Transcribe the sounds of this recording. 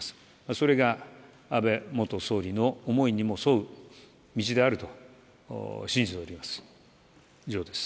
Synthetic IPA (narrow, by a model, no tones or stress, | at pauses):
asɨ̥ | maso̞ɾe̞ɡa | abe̞mo̞t̪o̞so̞ːɾʲino̞ːmo̞iɲ̟imo̞soɯ̟ | mʲit͡ɕid̪e̞aɾɯ̟t̪o̞̰ | ɕĩɲ̟d͡ʑit̪e̞oɾʲimasɨ̥ | d͡ʑo̞ːd̪e̞sɨ̥